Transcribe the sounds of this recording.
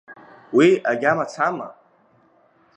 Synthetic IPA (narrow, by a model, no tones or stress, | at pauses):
wiaɡʲamat͡sʰama̰